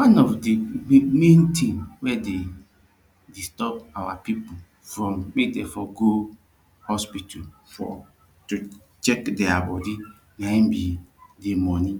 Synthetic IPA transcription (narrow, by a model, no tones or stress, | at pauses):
wãnɔfdimẽntʰĩnwɛde | distɔp̚awapipu | fɾɔ̃mmekdefɔɡo | hɔspitɔlfɔ̰ | tu | t͡ʃɛkdɛabɔdi | naĩmbidemɔni